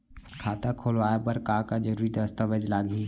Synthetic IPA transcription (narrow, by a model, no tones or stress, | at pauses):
kʰaːt̪akʰoːlʋaːapəɾkaːkad͡ʒəɾuːɾid̪əst̪əʋəd͡ʒlaːɡɦĩ